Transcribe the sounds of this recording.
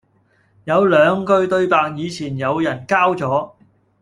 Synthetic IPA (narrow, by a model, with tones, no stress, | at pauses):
jɐ˨˧wlœː˨˧ŋkɵ˧ɥt̪ɵ˧ɥpaː˧k̚jiː˨˧t͡sʰiː˨˩njɐ˨˧wjɐ˨˩nkaː˥wt͡sɔː˨˥